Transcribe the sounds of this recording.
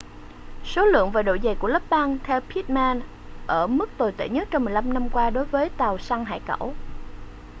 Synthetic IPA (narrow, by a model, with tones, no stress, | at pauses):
so˨˦lɨ̰˧˨əŋvaː˨˩ɗo̰˧˨jzə˨˩jku˧˩ələ˦˥p̚ɓaː˧ŋt̪ʰɛ˧wpʰi˦˥t̚maː˧n | ʔəː˧˩mɨ˦˥k̚t̪o˨˩jt̪ḛ˧˩ɲə˦˥t̚t͡ɕɔ˧wŋ͡mmɨ˨˩əjla˧mna˧mkwaː˧ɗo˨˦jvəː˨˦jt̪a˨˩wsa˧ŋɦa̰ː˧˨jkə̰˧˩w